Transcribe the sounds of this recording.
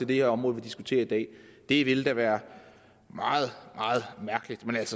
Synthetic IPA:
t͡sʰe̝d̥e̝heɐɒ̽mʁɔ̽ð̩ˠʋid̥isɡ̥ut͡sʰe̝̰ːɐid̥ɛ̰ːd̥e̝ʋe̝ləd̥æʋæːɐ | mɑ̈ːð̞̩ˠmɑ̈ːð̞̩ˠmæɐɡ̥əlid̥menælsə

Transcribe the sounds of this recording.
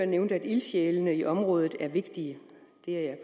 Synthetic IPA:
ɐneʊnd̥æd̥ilɕeːlənəiʔɒ̽mʁɔ̽ːð̞ˠð̩ˠæɐʋe̝ɡ̥d̥iə | d̥e̝æjɑ̈ɪf

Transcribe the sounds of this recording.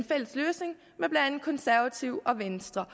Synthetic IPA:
nfel̰əsløːsne̝ŋ | meb̥læn̩kʰɒ̽nsæɐʋæt͡sʰiʊʔɒ̽ʋensd̥ʁɐ

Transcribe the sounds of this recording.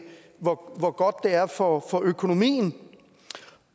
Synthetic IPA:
ʋɒʋɒɡ̥ɒ̽d̥ːe̝æɐfɒfɒ̽ʔøkʰo̝no̝mḭːn̩

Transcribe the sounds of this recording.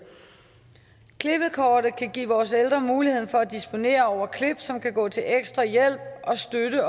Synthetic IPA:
kʰleb̥əð̩ˠkʰɒːɾ̥əkʰæɡ̥ḭːʋɒːseld̥ʁɐmuːlihe̝̰n̩fɒ̽æd̥isb̥o̝ne̝̰ːɐɒʊ̰ɐkʰleb̥sɒ̽mkʰæɡ̥ɔ̰̽ːt͡sʰe̝leɡ̥sd̥ʁɐjel̰b̥̚ʔɒ̽sd̥øɾə

